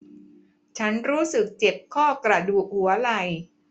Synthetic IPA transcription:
t͡ɕʰa˦˥nɾuː˦˥sɯ˨˩k̚t͡ɕe˨˩p̚kʰɔː˥˩kɾa˧duː˨˩k̚hu˩˦ɐla˧j

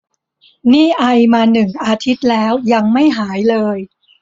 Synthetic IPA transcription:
niː˥˩ʔa˧jmaː˧nɯ˨˩ŋʔaː˧t̪ʰi˦˥t̪̚lɛː˦˥wja˧ŋma˥˩jɦaː˩˦jlɤː˧j

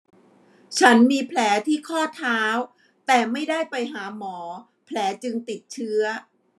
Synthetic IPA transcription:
t͡ɕʰa˦˥nmiː˧pʰlɛː˩˦t̪ʰiː˥˩kʰɔː˥˩t̪ʰaː˦˥w | t̪ɛː˨˩ma˥˩jda˥˩jpa˧jɦaː˩˦mɔː˩˦ | pʰlɛː˩˦t͡ɕɯ˧ŋt̪i˨˩t̪̚t͡ɕʰɯ˦˥ɐ

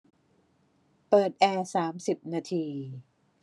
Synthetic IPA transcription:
pɤː˨˩t̪̚ʔɛː˧saː˩˦msi˨˩p̚naː˧t̪ʰiː˧

